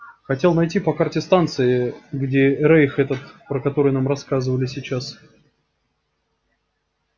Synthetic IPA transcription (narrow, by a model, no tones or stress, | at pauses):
xɐtʲe̞lˠnɐjtʲipɐkartʲɪst̪ant̪sɨɪɡdʲeɾejxɛt̪ət̪pɾəkɐt̪o̞ɾɨjnamrɐskazɨvəlʲɪsʲɪt͡ɕːas